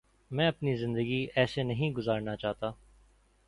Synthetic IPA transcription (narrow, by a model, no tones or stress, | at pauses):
mɛ̃ːɐpnizɪ̃nd̪əɡiɛːsenɐɦĩɡʊzaːɾnat͡ʃaːɦt̪aː